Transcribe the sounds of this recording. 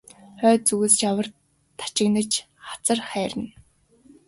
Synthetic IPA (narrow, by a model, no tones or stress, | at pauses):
χœːt͡suɣeːst͡ɕawə̆r | t̪ʰḁt͡ɕɪ̆knə̆t͡ɕ | χḁt͡sə̆rχæːɾɘ̆n